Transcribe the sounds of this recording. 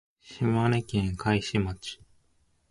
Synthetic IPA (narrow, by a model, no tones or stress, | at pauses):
ɕimanekẽŋkʰaiɕimat͡ɕi̥